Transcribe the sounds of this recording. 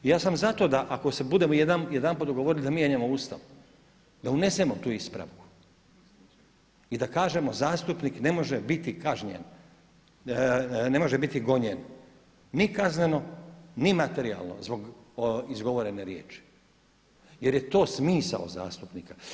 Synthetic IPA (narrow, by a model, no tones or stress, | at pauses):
ijaːsamzat̪o̞d̪aʔakosebud̪emojed̪anjed̪anput̪oɡooɾilid̪amiːeɲemoust̪aʋu | d̪aune̞semo̞t̪uːispɾa̰ʋu | id̪akaːʒe̞mo̞zaːst̪upnikne̞mo̞ʒebit̪ikaʒɲḛn | ne̞mo̞ʒebit̪iɡo̞ɲenː | ikazne̞no̞nimat̪e̞ɾia̰lˠno̰zbo̞ɡizɡo̞ʋoɾe̞neɾjeːt͡ʃi̥ | je̞ɾje̞t̪o̞ːsmiːsa̰o̰za̰ːst̪upnika